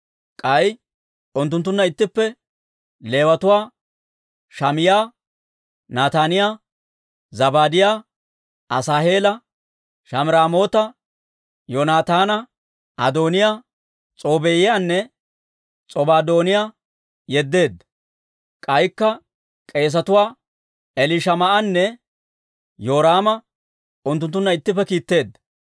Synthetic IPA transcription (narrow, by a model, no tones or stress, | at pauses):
kʼɐj | ʔʊnt̪ːʊnt̪̬ːʊnːɐɪt̪ːɪpːɛ | le̞ːwɐt̪ʊwaː | ʃɐmɪjaː | naːt̪aːnɪjaː | zɐbaːd̪ɪjaː | ʔɐsaːheːlɐ | ʃɐmɪɾaːmo̞ːt̪ɐ | jonaːt̪aːnɐ | ʔɐ̰d̪o̞ːnɪjaː | t͡sʼo̞ːbejɪjaːnːɛ | t͡sʼɔbaːd̪o̞ːnɪjaː | jɛd̪ːe̞ːd̪ːɐ | kʼɐjkːɐ | kʼe̞ːs̬ɐt̪ʊwaː | ɛlɪʃɐmɐʔɐnːɛ | joːɾaːmɐ | ʊnt̪ːʊnt̪ːʊnːɐɪt̪ːɪpːɛkiːt̪ːe̞ːd̪ːɐ